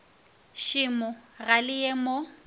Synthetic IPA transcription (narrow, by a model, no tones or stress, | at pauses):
ʃɪmʊɣalɪjemo